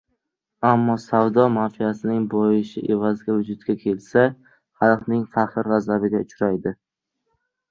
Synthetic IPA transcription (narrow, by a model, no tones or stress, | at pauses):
amːɒsavd̪ɒmanfijasɪnɪŋbojɪʃɪʔe̞vazɡʲavʊd͡ʒʊt̪ɡʲakʲʰe̞lsa | halˠqnɪŋfahɨɾːazabɪɡʲaʊt͡ʃɾajd̪ɪ